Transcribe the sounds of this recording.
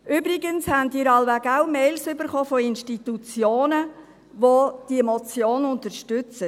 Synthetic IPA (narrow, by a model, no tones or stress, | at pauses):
ʏbɾɪɡənshændiːɾɑlʋæɡaʊmɛɪlsʏbəɾχoːfɔɪnʃtitut͡sjoːnə | ʋod̥iəmɔt͡sjoːnʊntəɾʃtʏt͡sə